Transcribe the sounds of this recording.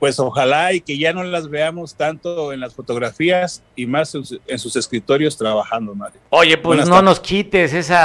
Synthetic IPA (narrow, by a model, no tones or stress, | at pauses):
pwe̞soxalaikeʝano̞lazβe̞amo̞st̪ant̪oe̞nlasfot̪o̞ɣɾafias | imasusensuse̞skɾit̪o̞ɾjo̞st̪ɾaβaxand̪omaɾjo̞ʝe̞pwezno̞no̞skit̪e̞se̞sa